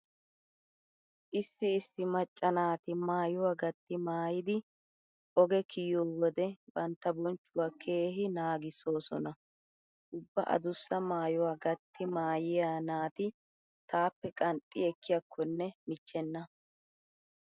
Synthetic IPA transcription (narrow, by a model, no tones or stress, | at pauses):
ʔɪsːɪːsːɪmɐt͡ʃʼːɐnaːt̪ɪmaːjʊwaːɡɐt̪ːɪmaːjɪd̪ɪ | ʔɔɡɛkʰɪjoːwɔd̪ɛbɐnt̪ːɐbɔnt͡ʃːʊwaːkʰe̞ːɦɪnaːɡɪsoːsɔ̰nɐ | ʔʊbːɐʔɐ̰d̪ʊsːɐmaːjʊwaːɡɐt̪ʰːɪmaːjɪjaːnaːt̪ɪ | t̪aːpːɛkʼɐnt̪ʼːɪ̰ɛkʰːɪjɐkʰːɔnːɛmɪt͡ʃːɛnːɐ